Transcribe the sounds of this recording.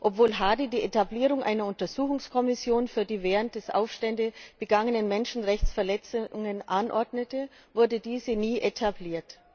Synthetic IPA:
ʔɔpv̥oːlɦaːdidiːʔetabliːʁ̞ʊŋʔa̰ɪnɐʊntɐzuːxʊŋskʰɔmɪsjoːnfyːɐdiːvɛːʁənt̚d̥ɛsʔa̰ʊfʃtɛndəb̥əɡaŋənənmɛnʃn̩ʁɛçt͡sfɛɐlɛt͡sʊŋənʔanʔɔɐdnətə | vʊɐdədiːzəniːʔetʰabliːɐt

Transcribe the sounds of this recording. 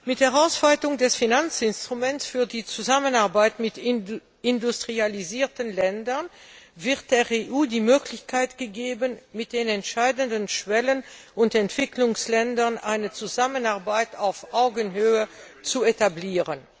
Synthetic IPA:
mɪthɛʁaʊsv̥aɪtʊŋdɛsfinant͡sɪnstʁ̥umɛntsfyːɐdiːt͡suzamənaɐbaɪtmɪt | ɪndustʁ̥ializiːɐtənlɛndɐnvɪʁt̚d̥eːʁeʔuːdiːmøːklɪçkʰaɪtɡ̥əɡeːbənmɪt̚d̥eːnɛntʃaɪdəndənʃv̥ɛlənʊntɛntv̥ɪklʊŋslɛndɐnʔa̰ɪnət͡suzamənaɐbaɪtʰaʊfʔaʊɡənɦøːə | t͡suetabliːʁən

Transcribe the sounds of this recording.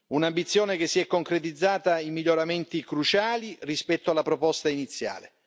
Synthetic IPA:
unambit̪sːjoːnekesːiɛkːoŋkɾet̪̬id̪zːaːt̪aimiʎːoɾament̪ikɾut͡ʃaːlirispɛt̪ːoalːapɾopɔst̪ainit̪sːja̰ːle

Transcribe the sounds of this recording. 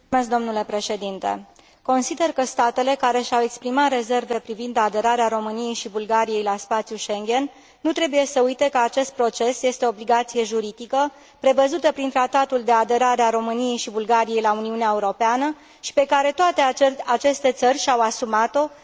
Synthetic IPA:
esd̪o̞mnule̞pɾe̞ʃe̞d̪int̪e̞̰ | ko̞nsid̪e̞rkəst̪at̪e̞le̞kaɾe̞ʃawe̞kspɾimat̪re̞ze̞rve̞pɾivind̪ad̪e̞ɾaɾeaɾo̞mɨnije̞jʃibulɡaɾije̞jlaspat̪sjuʃe̞ŋɡʲe̞nː | ut̪ɾe̞buje̞səujt̪e̞kəat͡ʃe̞st̪̚pɾo̞t͡ʃe̞sje̞st̪eoːbliɡat̪sije̞ʒuɾid̪ikə | pɾe̞vəzut̪əpɾint̪ɾat̪at̪uld̪e̞ad̪e̞ɾaɾeaɾo̞mɨnije̞jʃibulɡaɾije̞jlauniuneaeuɾo̞peanə | ʃi̥pe̞kaɾe̞t̪oat̪e̞at͡ʃe̞st̪e̞t̪sərʲʃawasumat̪o̞

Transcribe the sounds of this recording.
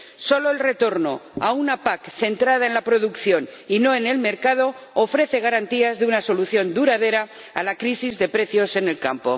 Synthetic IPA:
so̞lo̞elre̞t̪o̞ɾno̞a̰unapakθe̞nt̪ɾað̞ae̞nlapɾo̞ðukθjo̞nino̞e̞ne̞lme̞ɾkað̞o̞ː | fɾe̞θe̞ɣ̞aɾant̪iazðeunaso̞luθjo̞nd̪uɾað̞e̞ɾa | alakɾisizðe̞pɾe̞θjo̞se̞ne̞lka̰mpo̞̰

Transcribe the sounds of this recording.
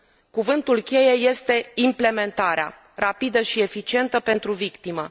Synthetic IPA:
kuvɨnt̪ulkʲe̞je̞je̞st̪e̞imple̞me̞nt̪aɾea̰ | rapid̪əʃie̞fit͡ʃie̞nt̪əpe̞nt̪ɾuvikt̪imə

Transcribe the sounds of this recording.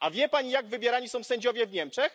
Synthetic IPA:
ʔavʲjɛpaɲijaɡvɘbʲjɛɾaɲisɔ̃w̃sɛɲd͡ʑɔvʲjɛvɲɛmt͡ʂɛx

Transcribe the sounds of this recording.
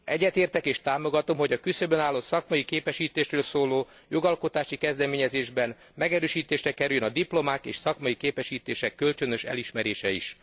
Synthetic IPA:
ɛɟːɛt̪eːrt̪ɛkeːʃt̪aːmo̞ɡɒt̪o̞mɦo̞ɟɒkysøbønaːlːot̪sɒkmɒjikeːpɛʃiːt̪eːʃrøːlsoːloː | jo̞ɡɒlko̞t̪aːʃikɛzd̪ɛmeːɲɛzeːʒbɛn | mɛɡɛɾøːʃiːt̪eːʃrɛkɛɾyljønɒd̪iplo̞maːkḛːʃsɒkmɒjikeːpɛʃiːt̪eːʃɛkːølt͡ʃønø̞ʃɛ̰liʃmɛɾeːʃɛḭʃ

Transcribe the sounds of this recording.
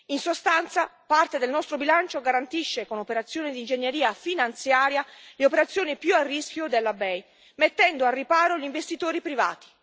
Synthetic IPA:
insost̪ant̪sapart̪ed̪elnɔst̪ɾobilant͡ʃoɡaɾant̪iʃːekonopeɾat̪sːjoːned̪ind͡ʒeɲːeɾiːafinant̪sjaːɾjaleopeɾat̪sːjoːnipjuarːisk̟ʲjod̪elːabɛj | met̪ːɛnd̪oarːipaːɾoʎiɱvest̪it̪oːɾipɾiva̰ːt̪i̥

